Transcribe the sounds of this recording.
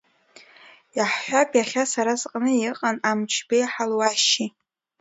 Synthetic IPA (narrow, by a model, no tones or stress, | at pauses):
jaħħʷapʼjaχʲasaɾazqʼnɨjɪqʼanamt͡ʃʰbejħalwaʃi